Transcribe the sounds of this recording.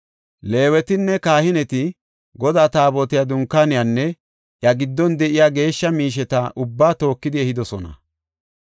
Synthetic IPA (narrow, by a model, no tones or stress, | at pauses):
le̞ːwɛt̪ɪnːɛkaːhɪnɛt̪ɪ | ɡɔd̪aːt̪aːbɔt̪ɪjad̪ʊŋkːanɪjanːɛ | ʔjɐɡɪd̪ːɔnd̪ɛʔɪjaːɡe̞ːʃːɐmiːʃ̬ɛt̪ɐʔʊbːaːt̪o̞ːkːɪd̪ɪɛhɪd̪ɔsɔnɐ̰